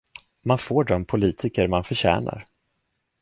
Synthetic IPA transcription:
manfoːɖɔmpʰʊliːt̪ʰɪkəɾmanfœɕɛ̰ːna̰ɾ

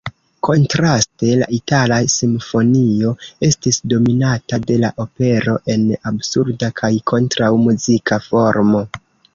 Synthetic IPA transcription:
ko̞ntɾaste̞la̰ʔitalasimfo̞nio̞e̞stisdo̞minatade̞laʔo̞pe̞ɾo̞ʔe̞nabsuɾdakʰajkʰo̞ntɾawmuzikʰafo̞ɾmo̞

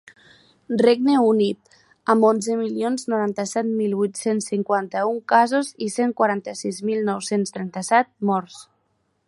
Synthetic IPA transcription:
reɡ̚neunit̪̚ | əmonzemilionznuɾant̪əsɛt̪milˠβujt̪sensːiŋkwant̪əuŋkazoziseŋkwaɾant̪əsizmilˠnɔwsenst̪ɾɛnt̪əsɛt̪̚mɔɾs

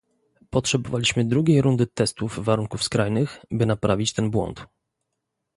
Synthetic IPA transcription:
pɔtʂɛbɔvalʲiɕmɘd̪ɾuɡʲejɾund̪ɘt̪ɛst̪uvːaɾuŋkufskɾajnɘxbɘnapɾavʲit͡ɕt̪ɛnbwɔ̰nt̪

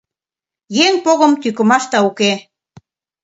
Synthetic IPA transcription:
jeŋpoɣə̆mt̪ykə̆mɑʃt̪ɑuke

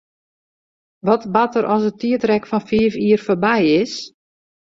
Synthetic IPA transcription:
ʋɔtbatəɾʔɔsətiətrɛkfɔnfiəfiərfoːrbɛjɪs

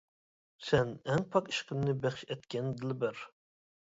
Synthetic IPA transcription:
sɛnɛŋpʰɑqi̥ʃqənːɨbæχʃɛt̪kʲʰɛnd̪ɪlbɪɾ

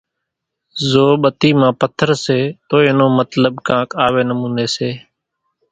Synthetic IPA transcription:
zoːɓət̪iːmãːpət̪ʰːəɾseːt̪oːeːnoːmət̪ləɓkãːkaːʋeːnəmũːneːseː

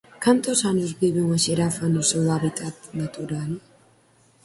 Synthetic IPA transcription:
kant̪osanuzbiβuŋeʃeɾafanusowaβit̪ʰʼat̪nat̪uɾal

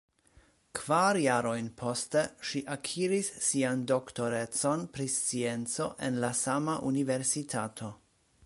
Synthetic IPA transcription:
kv̥aɾjaɾo̞jnpʰo̞ste̞ʃiʔakʰiɾisːiando̞kto̞ɾe̞t͡so̞npɾist͡sient͡so̞ʔe̞nlasamaʔunive̞ɾsitʰatʰo̞

